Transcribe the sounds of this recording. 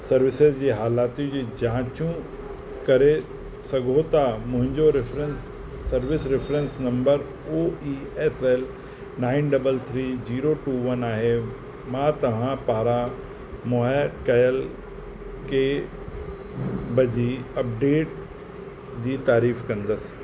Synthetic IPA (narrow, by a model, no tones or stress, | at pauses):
sɐɾʋɪsɪzd͡ʑiːɦaːlaːt̪ĩd͡ʑid͡ʑãːt͡ɕũ | kɐɾe | sɐɡʱot̪amʊ̃ɦɪ̃ɲd͡ʑoɾɪfɾənsː | ɐɾʋɪsɾɪfʰɾə̃nsnɐ̃mbəɾ | oːiː | ɛsɛl | naːɪnɖɐbəlt̪ʰɾiːd͡ʑiːɾoʈuʋɐnaːɦe | mãːt̪ɐʋ̤ãpaːɾa | mɔːɾkɐjəl | ke | bɐd͡ʑiɐp̚ɖeːʈ̚ | d͡ʑiːt̪aːɾiːfkɐ̃nd̪əs